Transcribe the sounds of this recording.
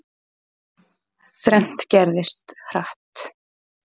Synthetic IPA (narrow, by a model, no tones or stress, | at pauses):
θɾɛn̥t̪cɛɾðɪst̪hraht̪